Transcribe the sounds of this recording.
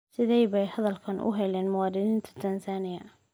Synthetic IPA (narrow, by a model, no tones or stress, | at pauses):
sɪðɛjβɛjhɐðɐlkʰɐnʔʊ̰ɦɛlɛːnmʊwɑːd̪ɪnɪnt̪ʰɐ̥t̪ʰɐnsaːnɪjɐ